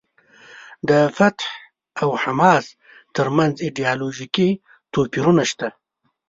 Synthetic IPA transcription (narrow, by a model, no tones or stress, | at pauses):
d̪əfat̪h | awhamɑs | t̪əɾmanziɖiɑloʒiki | t̪opiɾunaʃt̪a